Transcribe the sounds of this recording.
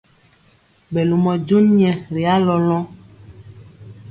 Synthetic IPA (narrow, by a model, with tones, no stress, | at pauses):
bɛ˨lu˨mɔ˨d͡ʒu˦nɲɛ̃˨ɾe˨a˦lɔ˦lɔ̃˦